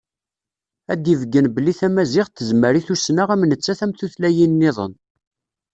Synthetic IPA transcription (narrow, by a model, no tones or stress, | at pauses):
æd̪ivəɡːənbəlːiθæmæzɪʁt̪ːəzməɾiθusnaʁæmnət͡sːæθæmθuθlæjinːɪðˤə̰n